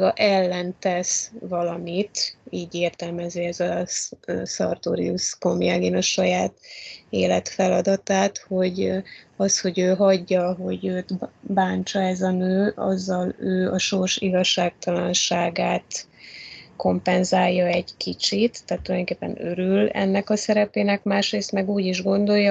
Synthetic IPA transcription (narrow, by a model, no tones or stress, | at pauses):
ɡɒʔɛlːɛnt̪ɛsvɒlɒmit̪iːɟeːrt̪ɛlmɛziːɛzɛlɒssɒ̰rt̪o̰ːɾḭusko̞mjaːɡeːnɒʃɒjaːt̪eːlɛt̪fɛlɒd̪ɒt̪aːt̪ho̞ɟɒsho̞ɟøːɦɒɟːɒɦo̞ɟøːt̪baːnt͡ʃɒɛzɒnøːʔɒ̰zːɒløːɒʃo̞rʃiɡɒʃːaːk̚t̪ɒlɒnʃaːɡaːt̪ | ko̞mpɛnzaːjːɒɛɟkit͡ʃit̪ːaːt̪ːulɒjoŋkeːpːɛ̰nøɾylɛ̰nːɛkɒsɛɾɛpeːnɛkmaːʃreːst̪mɛɡuːɟiʒɡo̞nd̪o̞jɒ